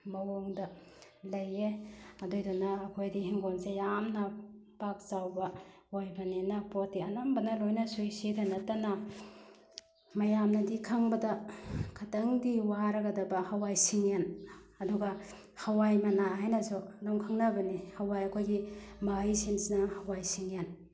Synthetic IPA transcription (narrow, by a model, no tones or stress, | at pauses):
mɐwoŋdɐ | lɐjeɐdojdɔnɐːkʰojdihiŋɡonsejamnɐpak̚t͡ʃawbɐ | ojbɐninɐpotːiɐnambɐnɐlojnɐsujsitʰanɐtɐnɐ | mɐjamnɐdikʰaŋbɐdɐkʰatɐŋdiwaɾɐɡɐdɐbɐhawajsiŋenɐduɡɐ | hɐwajmɐnaɦajnɐzolɔŋkʰaŋnɐbɐnihɐwajɐkʰojɡimajsinsinɐhɐwajsiŋen